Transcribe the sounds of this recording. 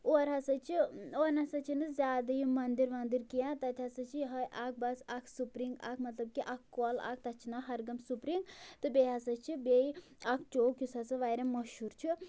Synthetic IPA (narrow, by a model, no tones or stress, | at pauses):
oːɾɦɐsɐt͡ʃʰioːnɐsɐt͡ʃʰinɨzʲjaːd̪ɐjumɐnd̪iɾmɐnd̪iɾkijãt̪ɐt̪ʲɦɐsɐt͡ʃʰiɦɐʔaːk̚ʰbɐsakʰsupɾiŋɡa̰ːkʰmɐt̪lɐb̚kiʔakːola̰ːk̚ʰt̪ɐt͡ʃʰinɐɦɐɾɡɐmsupɾiŋɡt̪ɨbʲeɦɐsɐt͡ʃʰibei | akʰt͡ʃoːkjusɐsɨʋaːjɾamɐʃuɾt͡ʃʰi